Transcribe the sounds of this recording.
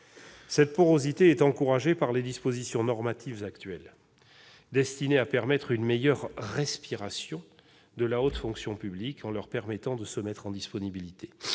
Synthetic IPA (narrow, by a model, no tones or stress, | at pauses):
sɛt̪̚poʁozit̪eɛt̪ɑ̃kuʁaʒepaʁled̪ispozisjɔ̃nɔʁmat̪ʰivzakt̪ɥɛl | d̪ɛst̪ineapɛʁmɛt̪χynmejœʁːɛspiʁasjɔ̃ | d̪əlaot̪fɔ̃ksjɔ̃pyblikʰɑ̃lœʁpɛʁmɛt̪ɑ̃d̪əsəmɛt̪χɑ̃d̪ispɔnibilit̪e̥